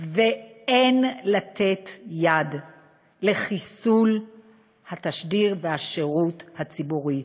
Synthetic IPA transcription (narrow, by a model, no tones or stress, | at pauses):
veenlat̪ʰe̞tjad | le̞χisul | hataʃdiʁvehaʃeʁuthat͡sibuʁi